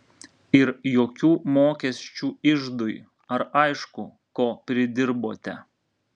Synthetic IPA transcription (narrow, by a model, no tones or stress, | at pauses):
ɪɾjoːkʲuːmoːkʲɛsʲt͡ʃʲuːɪʒd̪ʊj | ɐɾɐɪʃkʊ | koːpʲɾʲɪd̪ʲɪɾboːt̪ʲɛ